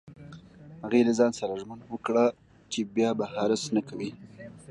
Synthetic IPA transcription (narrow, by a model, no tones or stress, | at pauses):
haɣelazɑnsaɾaʒmanwəkɽa | t͡ʃebjɑbahɑɾasnakʰawi